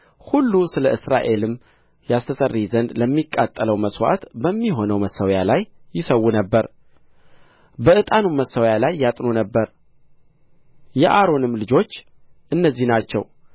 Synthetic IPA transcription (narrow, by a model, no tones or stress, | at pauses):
hulːusɨləʔɨsɾa̰ʔe̞lɨm | jast̪ʰəsərːizənd̪ləmːikʼːat̪ʼːələwməswa̰t̪bəmːiɦo̞nəwməsːəwjalajːɪsəwːunəbːəɾ | bəʔɨt̪ʼanuməsːəwjalajːat̪ʼno̞nəbːəɾ | jɛʔaɾo̞nɨmlɨd͡ʒo̞t͡ʃː | ʔɨnːəzːihnat͡ʃːɛ̰w